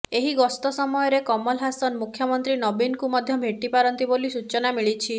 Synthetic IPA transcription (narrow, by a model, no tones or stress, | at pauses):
eɦiɡɔst̪ɔsɔmɔjɔɾekɔmɔlɦasɔnmukʰjɔmɔnt̪ɾinɔbinkumɔd̪ʱjɔbʱeʈːipaɾɔnt̪ibolisut͡ʃɔnamiɭit͡ʃʰi